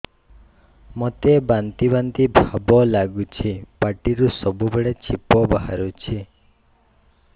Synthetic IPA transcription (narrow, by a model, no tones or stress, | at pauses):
mɔt̪ebant̪ibant̪ibʱabɔlaɡut͡ʃʰipaʈiɾusɔbubeɭet͡ʃʰipɔbaɦa̰ɾut͡ʃʰi